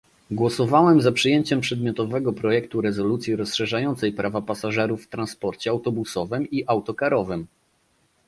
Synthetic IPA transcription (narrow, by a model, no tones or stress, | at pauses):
ɡwɔsɔvawɛmzapʂɨjɛɲt͡ɕɛmpʂɛd̪mʲjɔt̪ɔvɛɡɔpɾɔjɛk̚t̪uɾɛzɔlut̪sʲjiɾɔsʂɛʐajɔnt̪sɛjpɾʔavapasaʐɛɾufːt̪ɾanspɔɾt͡ɕɛawt̪ɔbusɔvɘmiʔawt̪ɔkaɾɔvɘm